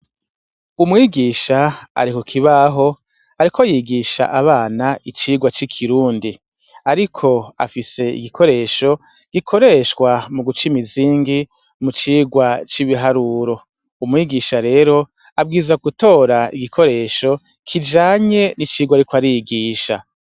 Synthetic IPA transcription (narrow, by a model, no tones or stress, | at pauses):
umŋiːɡiːʃaa̰ɾikokʰiβaɦo̞ | aɾikojiɡiːʃa̰ʔaβaːnaʔit͡ʃiːɡwat͡ʃikʰiɾuːndi | aɾikʰo̞a̰fise̞ḭɡikʰo̞ɾe̞ːʃo̞ | ɡ̥ikʰo̞ɾe̞ːʃkwamuɡut͡ʃimiziːŋɡi | mut͡ʃiːɡwat͡ʃiβiɦaɾuːɾo̞ | umŋiːɡiːʃaɾe̞ːɾo̞ | ab̚ɡiːzaɡuto̞ːɾaiɡikʰo̞ɾe̞ːʃo̞ | kʰid͡ʒaːɲe̞nit͡ʃiːɡwaɾikoaɾijiɡiːʃa̰